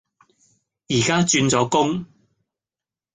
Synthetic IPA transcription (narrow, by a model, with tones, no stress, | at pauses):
jiː˨˩kaː˥t͡ʃyː˧nt͡sɔː˨˥kʊ˥ŋ